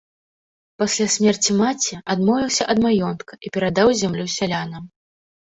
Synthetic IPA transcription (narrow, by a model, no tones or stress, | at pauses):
pasʲlʲasʲmʲɛrt͡sʲimat͡sʲɛʔad̪mɔvʲiwsʲɐʔɐd̪majɔnt̪kɐʔipʲɛɾad̪awzʲamlʲusʲalʲanɐm